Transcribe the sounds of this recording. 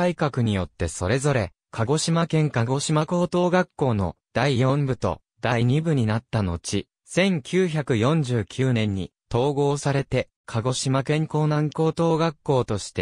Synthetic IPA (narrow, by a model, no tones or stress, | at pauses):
aikakɯ̟ɲ̟ijo̞t̪ːe̞so̞ɾe̞zo̞ɾe̞ | kʰaɡo̞ɕimakẽ̞ŋkaɡo̞ɕimako̞ːt̪o̞ːɡakːo̞ːno̞̰d̪̥aijõ̞mbɯ̟t̪o̞̰ | d̪̥aiɲ̟ibɯ̟ɲ̟inat̪ːano̞̰t͡ɕi | sẽ̞ŋkʲɨːçakɯ̟jõ̞ɲ̟d͡ʑɨːkʲʰɨːnẽ̞ɲ̟ːḭt̪o̞ːɡo̞ːsaɾe̞t̪e̞ | kʰaɡo̞ɕimakẽ̞ŋko̞ːnãŋko̞ːt̪o̞ːɡakːo̞ːt̪o̞ɕi̥t̪e̞